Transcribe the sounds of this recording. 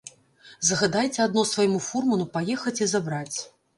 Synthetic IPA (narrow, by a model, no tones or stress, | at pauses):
zɐɣad̪ajt͡sʲɛad̪nɔsvajmufurmɐnupajɛxɐt͡sʲizabɾat͡sʲ